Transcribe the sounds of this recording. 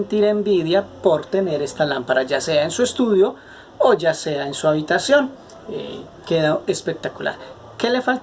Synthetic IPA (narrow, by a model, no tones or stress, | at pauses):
nt̪iɾe̞mbiðjapo̞ɾt̪e̞ne̞ɾe̞st̪alampaɾad͡ʒase̞aensue̞st̪uðjo̞ | od͡ʒase̞aensuaβit̪asjo̞n | ḛ | keðaʔe̞spe̞k̚t̪akula̰ɾ | ke̞le̞falt̪